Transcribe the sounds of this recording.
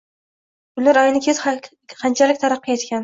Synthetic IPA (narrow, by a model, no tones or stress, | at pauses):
bʊlaɾɒjɪnɪkʲʰez | qʰɑnt͡ʃʰalɪk̚ʲt̪ʰaɾɑqːɨet̪kʲan